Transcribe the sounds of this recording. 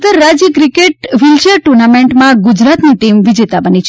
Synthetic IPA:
t̪əɾːad͡ʒjəkɾɪkeʈ̚ʋɪld͡ʒəɾʈuɾnameɳʈmãɡʊd͡ʒɾat̪niʈimʋɪd͡ʒet̪abənit͡ʃʰ

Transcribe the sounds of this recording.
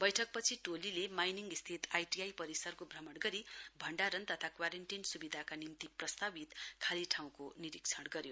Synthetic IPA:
bʌjʈʰʌk̚pʌt͡sʰiʈolilemajniŋɡist̪ʰit̪ajʈiajpʌɾisʌrkobʱrʌmʌɽɡʌɾibʱʌɳɖaɾʌnt̪ʌt̪ʰakwaɾenʈinsubid̪ʱakanimt̪iprʌst̪abit̪kʰaliʈʰaw̃koniɾik̚t͡sʰʌɽɡʌɾjo

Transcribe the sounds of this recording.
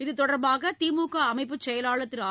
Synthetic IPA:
ɪðɯt̪ɔɽɐɾbaːɣɐt̪iːmuːkaɐmɐɪpːɯt͡ʃːɛjɐlaːɭɐt̪ːɪlaː

